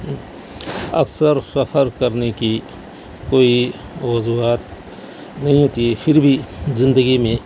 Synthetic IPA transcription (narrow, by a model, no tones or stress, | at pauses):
ɐ̰ksəɾsɐfʰəɾkɐɾneki | koːi | ʋɐzuaːt̪̚ | nɐɦĩɦoːt̪iɦɛpʰɪɾbʱizɪ̃nd̪əɡimẽ